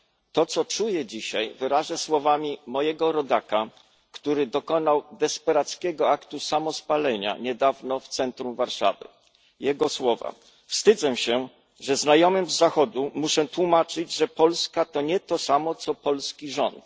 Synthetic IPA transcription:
t̪ɔt̪sɔt͡ʂujɛd͡ʑiɕajvɘɾaʐɛswɔvamʲimɔjɛɡɔɾɔd̪aka | kt̪uɾɘd̪ɔkɔnawd̪ɛspɛɾat̪skʲɛɡɔakt̪usamɔspalɛɲa̰ɲɛd̪avnɔft̪sɛnt̪ɾumvaɾʂa̰vɘ̰ | jɛɡɔswɔva̰ | fst̪ɘd̪zɛɕɛ | ʐɛznajɔmɘmzːaxɔd̪umuʂɛt̪wumat͡ʂɘd͡ʑʐɛpɔlskat̪ɔɲɛt̪ɔsamɔt̪sɔpɔlskʲiʐɔnt̪

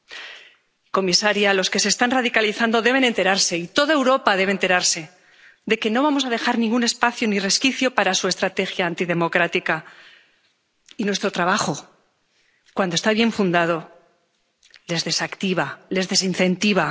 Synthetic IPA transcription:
ko̞misaɾjalo̞ske̞seːst̪anraðikaliθand̪oðe̞β̞e̞nẽnt̪e̞ɾaɾse̞it̪o̞ðae̞wɾo̞paðe̞βent̪e̞ɾaɾse̞ | d̪e̞ke̞no̞β̞amo̞sað̞e̞xaɾnĩŋɡune̞spaθjonire̞skiθjo̞paɾasue̞st̪ɾat̪e̞xjaːnt̪iðe̞mo̞kɾat̪ika | inwe̞st̪ɾo̞t̪ɾaβaxo̞ | kwand̪ost̪aβje̞ɱfund̪að̞o̞ | le̞zðe̞sakt̪iβale̞zðe̞sinθe̞nt̪iβa

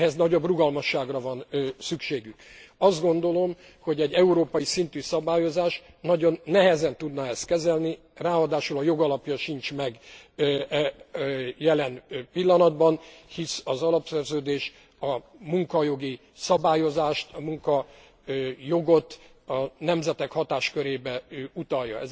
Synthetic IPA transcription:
ɦɛznɒɟo̞bruɡɒlmɒʃːaːɡrɒvɒnsykʃeːɡykɒzd̪ɡo̞n̪d̪o̞lo̞m | ho̞ɟɛɟːɛuɾoːpɒjisint̪ysɒbaːjo̞zaːʃ | nɒɟo̞nːɛɦɛzɛnt̪ud̪nɒɛst̪̚kɛzɛlni | raːɦɒd̪aːʃulɒjo̞ɡɒlɒpjɒʃint͡ʃmɛɡ | jɛlɛnpilːɒnɒd̪bɒnhisɒzɒlɒpsɛrzøːd̪eːʃ | ɒmuŋkɒjo̞ɡi | sɒbaːjo̞zaːʃt̪ɒmuŋkɒ | jo̞ɡo̞t̪ɒnɛmzɛt̪ɛkhɒt̪aːʃkøɾeːbɛøut̪ɒjːɒ̰ɛ̰z

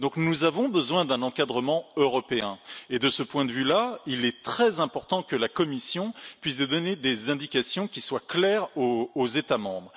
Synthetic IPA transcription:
d̪ɔ̃knuzavɔ̃bəzwɛ̃d̪ɛ̃nɑ̃kad̪ʁəmɑ̃øʁɔpeɛ̃ed̪əsəpwɛ̃d̪əvylailɛt̪χɛzɛ̃pɔʁt̪ɑ̃kəlakɔmisjɔ̃pɥis̬d̪d̪ɔned̪ezɛ̃d̪ikʲasjɔ̃kʲiswaklɛʁoːzet̪amɑ̃bʁə

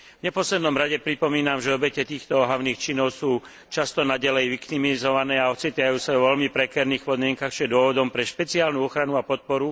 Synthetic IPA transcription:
vɲɛpɔslɛd̪nɔmɾaɟɛpɾipɔmiːnamʒɛɔbɛcɛt̪iːxt̪ɔɦaʊniːxt͡ʃinɔʊsuː | t͡ʃast̪ɔnaɟalɛjʋikt̪imizɔʋanɛːaɔt͡siːt̪ajuːsaɔʋɛlmipɾɛkɛɾniːxpɔd̪mɪɛŋkaxt͡ʃiɛd̪ʊɔʋɔd̪ɔmpɾɛʃpɛt͡siaːlnuɔxɾanuapɔt̪̚pɔɾu

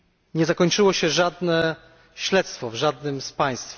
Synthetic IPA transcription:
ɲɛzakɔɲt͡ʂɘwɔɕɛʐad̪nɛ | ɕlɛt̪st̪fɔvʐad̪nɘmspaj̃st̪f

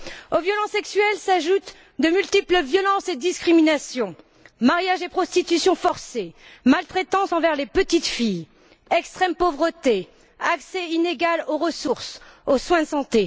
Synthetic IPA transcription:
ovjɔlɑ̃sɛksɥɛlsaʒut̪ | d̪əmylt̪ipləvjɔlɑ̃sed̪iskχiminasjɔ̃ | maʁjaʒepχɔst̪it̪ysjɔ̃fɔʁsemalt̪χet̪ɑ̃sɑ̃vɛʁlepət̪it̪fij | ɛkst̪χɛmpovʁət̪e | aksɛineɡaloʁəsuʁsoswɛ̃d̪əsɑ̃t̪e

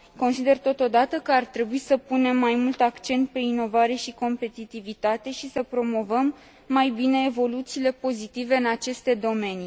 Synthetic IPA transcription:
ko̞nsid̪e̞rt̪o̞t̪o̞d̪at̪əkəart̪ɾe̞buisəpune̞mːajmult̪akt͡ʃe̞nt̪̚pe̞ino̞vaɾe̞ʃiko̞mpe̞t̪it̪ivit̪at̪e̞ʃisəpɾo̞mo̞vəmː | ajbine̞ːvo̞lut̪siːle̞po̞zit̪ive̞ɨnat͡ʃe̞st̪e̞d̪o̞me̞ni

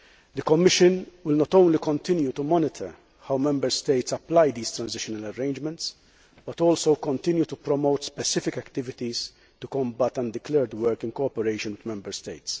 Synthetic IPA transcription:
d̪əkɔmːɪʃə̃nwɪlnɔt̪õʊ̃nlikɔ̃nt̪ɪnjut̪umɔnɪt̪ʰəɾ | hawmɛ̃mbəɾst̪eɪt̪sɐplajd̪iːst̪ɾɐ̃nzɪʃɔnɐlɐɾẽɪ̃nd͡ʒmɛ̃nt̪s | b̥ɐt̪ɔːlsowkɔ̃nt̪ɪ̃njut̪upɾɔmoʊt̪spɛsɪfɪkɛkt̪ɪvɪt̪iz | t̪ukɔ̃mbɐt̪ɐ̃nd̪ɪklɛːɾd̪wɛɾkɪ̃nkɔɔpɛɾeɪʃɔ̃nwɪd̪mɛ̃mbəɾst̪eɪt̪s

